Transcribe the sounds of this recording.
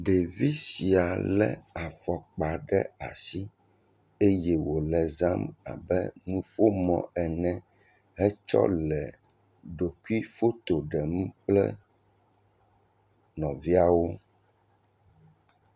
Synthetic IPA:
ɖe˨vi˦si˨a˨lɛ̰˦a˨fɔ˨k͡pa˨ɖɛ˦a˨si˦ | e˦jɛ˦wo˨lɛ˨za˦ma̰˨bɛ̰˦nũ˦ɸo˦mɔ̰̃˨ɛ˨nɛ̃˦ | ɦɛ˦t͡ʃɔ̰˦lɛ˨ | ɖo˨ku˦i˦fo˦t̪o˨ɖɛ˨m˦k͡plɛ˦ | nɔ̃˨vi˦a˦wo˦

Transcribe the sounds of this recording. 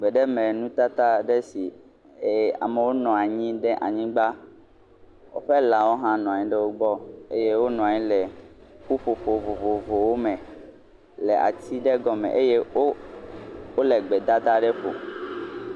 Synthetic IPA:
ɡ͡bɛ˨ɖɛ˦mɛ̃˨nũ˦t̪a˦t̪a˦ɖɛ˦si˨ | e˨a̰˨me˨wo˦nɔ̃˨a˨ɲĩ˦ɖɛ˦ʔa̰˨ɲĩ˦ɡ͡ba˦ | wo̰˦ɸɛ˦la˨wo˦ɦã˦nɔ̃˨a˨ɲĩ˦ɖɛ˦wo˦ɡ͡bɔ˦e˦je˦wo˦nɔ̃˨a˨ɲĩ˦lɛ˨ɸu˦ɸo˨ɸo˨vo˨vo˨vo˨wo˦mɛ̃˨ | lɛ˨a̰˨t̪i˦ɖe˦ɡɔ˦mɛ̰̃˨ʔe˦je˦o˦ | o˦le˨ɡ͡bɛ˨d̪a˦d̪a˦ɖɛ˦ɸo̰˨

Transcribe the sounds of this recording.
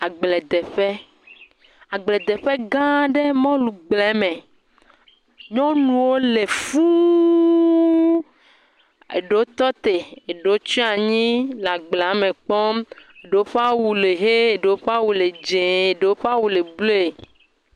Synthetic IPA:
a˨ɡ͡blɛ˨d̪ɛ˨ɸɛ˦ | a˨ɡ͡blɛ˨d̪ɛ˨ɸe˦ɡã˦ɖe˦mɔ̃˦lu˨ɡ͡blɛ˨˦mẽ˨ | ɲɔ̃˦nũ˨wo˦le˨fu˦ | ḛ˨ɖe˨wo˦t̪ɔ˦t̪e˨e˨ɖe˨wo˦t͡ʃi˦a˨ɲĩ˦la˨ɡ͡ble˨a˨˦mẽ˨k͡pɔ˦me˨ɖe˨o˦ɸa˦wu˨le˨ɦe˦e˨ɖe˨wo˦ɸa˦wu˨le˨d͡ʒẽ˨e˨ɖe˨wo˦ɸa˦wu˨le˨blo˦e˨

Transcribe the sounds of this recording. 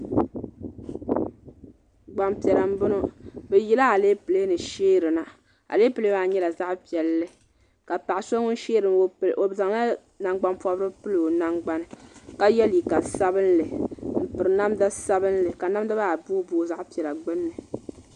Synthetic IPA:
ɡ͡ba˨mpi˨ɛ˨ɾa˨m̩˦bʊ˦no˦bɛ˨ji˦la˦a˨leː˦pɨ˨le˦nɨ˨ʃeː˦ɾɨ˨na˨ | a̰˨leː˦pɨ˦le˦ba˨ɲɛ˦la˨za˦ʔpi˨ɛ˨lːɨ˦ | ka˨pa˨ʔso˦ŋʊ˦n˦ʃeː˦ɾɨ˨o˨bza˨ŋla˦ | na˨ŋɡ͡ba˦mpɔ˦bɾɨ˦pɨ˦lo˨na˦ŋɡ͡ba˦nɨ˦ka˦jɛ˦li˨ka˨sa˦bɨ˦n˦lɨ˨m̩˨pɨ˨ɾɨ˨na˦mda˦sa˦bɨ˦n˦lɨ˨ka˨na˦m˦da˦ba˦a˨buː˦boː˦za˦ʔpi˨ɛ˨la˨ɡ͡bɨ˦nːɨ˨

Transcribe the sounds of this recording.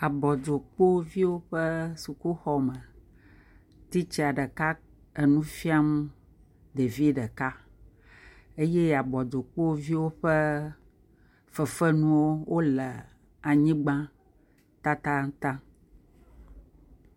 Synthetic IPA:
a˨bɔ˨d͡ʒo˨k͡po˦vi˦wo˦ɸə˦su˨ku˦xɔ˨mə˨ | t̪i˦t͡ɕi˦a˨ɖə˨ka˦ | ə˨nũ˦fi˦a˦m˦ | d̪e˨vi˦ɖə˨ka˦ | e˦je˦˨a˨bɔ˨d̪o˨k͡po˦vi˦wo˦ɸe˦ | fə˨fə˦nũ˦wo˦wo˦lə˨ | a˨ɲĩ˦ɡ͡bã˦ | t̪a˦t̪a˦t̪ã˦

